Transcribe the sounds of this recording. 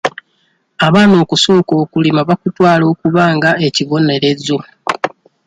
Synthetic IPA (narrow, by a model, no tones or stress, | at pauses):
aβaːno̞ːkuso̞ːko̞ːkulimaβakutwaːlo̞ːkuβaːŋɡae̞ciβo̞ne̞ɾe̞zo